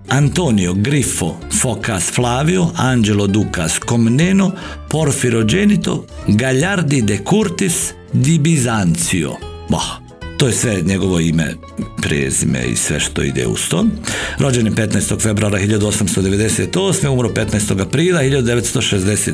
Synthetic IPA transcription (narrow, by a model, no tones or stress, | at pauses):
ant̪oːnijoɡɾifo | fokasflˠaːʋioʔand͡ʒelod̪ukaskomneno | po̞ɾfiɾod͡ʒenit̪o̞̰ɡaʎaɾd̪id̪ekuɾt̪is | d̪ibizant̪sio̰ba̰ | t̪oːjesʋeɲeɡo̞ʋo̞imḛ | pɾḛːzḭmḛḭsʋḛʃt̪o̰ḭd̪ḛṵst̪omɾʔo̞d͡ʒenipet̪najst̪oɡfe̞bɾuaɾaxiʎad̪uosamst̪od̪e̞ʋe̞d̪eset̪oːsmeumɾopet̪najst̪o̞ɡapɾiːlˠahiʎad̪ud̪eʋet̪st̪oʃezd̪ese